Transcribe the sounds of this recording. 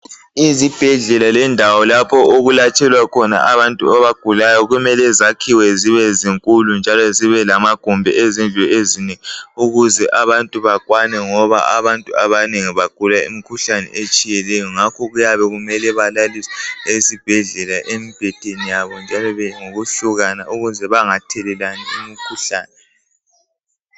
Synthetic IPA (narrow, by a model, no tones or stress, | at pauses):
izib̥ʱɛɮɛlalɛndʱawɔlapʰɔʔoɣulat͡ʃʰʼɛlwakʰɔna̰ʔaβantʼuaβaɡ̥ʱulajɔɣumɛlɛzakʰiwɛziβɛziŋkʼulund͡ʒʱalɔziβɛlamaɡ̥ʱumbʱɛezind͡ɮʱuezinɛuɣuzɛʔaβantʼuβakʼwanɛŋɔβa̰aβantʼuaβaneŋiβaɡ̥ʱulaḭmikʰuɬanɛ̰ʔet͡ʃʼijɛlɛjɔŋakʰɔɣujaβɛɣumɛlɛβalalisɛesib̥ʱɛɮɛlaʔemib̥ʱɛtʼenijaβɔnd͡ʒʱalɔβɛŋoɣuɬuɣanauɣuzɛβaŋatʰɛlɛlaniimikʰuɬa̰ːnɛ